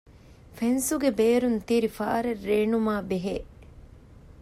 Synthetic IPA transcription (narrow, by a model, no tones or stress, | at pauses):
fensuɡebeːɾunt̪iɾifa̰ːɾerːeːnumaːbeɦeː